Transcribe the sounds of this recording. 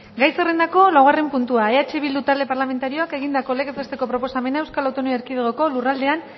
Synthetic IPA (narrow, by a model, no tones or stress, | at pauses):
ɡajsere̞nd̪ako̞lawɣare̞mpunt̪uaeat͡ʃeβild̪ut̪ald̪e̞paɾlame̞nt̪aɾio̞ake̞ɣind̪ako̞lekezest̪e̞ko̞pɾopo̞same̞nae̞wskalawt̪o̞noieɾkið̞eɣoko̞lurald̪e̞an